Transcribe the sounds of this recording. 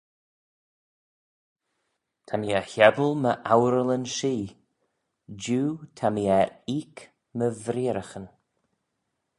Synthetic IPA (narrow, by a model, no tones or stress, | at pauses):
t̪ʰamiəhɛbəlˠməʔawɾələnʃiː | d͡ʒuːtʰamiɛɾik | məvɾiːɾəxən